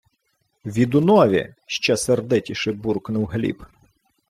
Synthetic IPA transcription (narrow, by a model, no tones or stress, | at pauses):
ʋʲid̪ʊnɔʋʲḭʃt͡ʃɛsɛrd̪ɪtʲiʃɪburknʊwɦlʲḭp